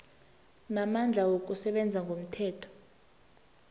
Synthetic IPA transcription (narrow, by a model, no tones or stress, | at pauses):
namand͡ɮʱawok̬ʼusɛɓɛnd͡zʱaŋɡʱom̩tʰɛːtʰɔ̥